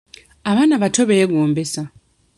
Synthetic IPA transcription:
aβaːnaβatoβeeɡoːmbesa

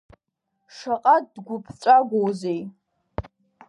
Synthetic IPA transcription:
ʂaqʼatdɡʷʊpʰt͡ʃʷʼaɡʷowzej

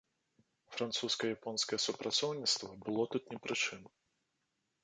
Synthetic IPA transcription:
fɾant̪suskɐjɐjapɔnskɐjɛsupɾʔat̪sɔwnʲit̪st̪vɐbɨlˠɔt̪ut̪nʲɛpɾɨt͡ʂɨn

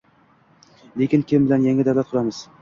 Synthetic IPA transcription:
lekʲɪnkʲʰɪmbɪlanjaŋad̪avlat̪̚qʰʊɾamɪz̥

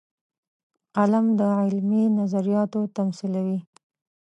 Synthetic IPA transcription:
qalamd̪əʕɪlminazaɾijɑt̪ot̪amsilawi

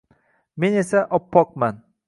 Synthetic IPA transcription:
me̞ne̞saʔɒpʰːɒq̚man

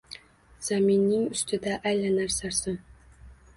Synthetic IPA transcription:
z̥aminːɪŋʊst̪ʰɪd̪aʔajlanaɾsaɾsɪn

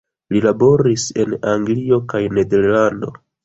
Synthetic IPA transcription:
lilabo̞ɾise̞naŋɡlio̞kajne̞de̞ɾlando̞̰

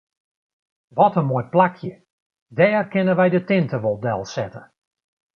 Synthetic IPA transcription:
ʋɔtənmojplakʰjə | dɛːrkɪnəʋɛjdətɪntəʋɔlˠdɛlˠsɛtə

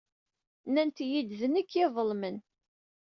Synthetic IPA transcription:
nænt̪jid̪ðənikʰːɪðˤəlmən

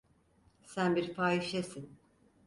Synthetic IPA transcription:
sænbiɾfʰaːiʃesin

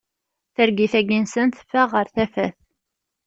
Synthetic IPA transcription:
θəɾɡiθæɡinsənθfːəʁəɾθæfæθ

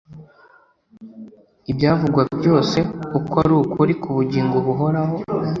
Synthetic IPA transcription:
ibjaːvuɡwabjo̞ːse̞ukaɾuːkuɾikʰuβuɟiːŋɡoβuɦo̞ɾaɦo̞

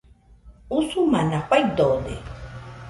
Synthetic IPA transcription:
usumanapʷajd̪od̪ḛ

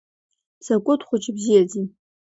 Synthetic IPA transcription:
sakʷʼʊdχʷʊt͡ʃʼɪbzijazi

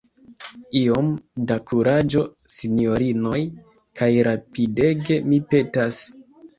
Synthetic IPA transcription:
io̞mdakuɾad͡ʒo̞sino̞ɾino̞j | kajɾapide̞ɡe̞mipe̞tas

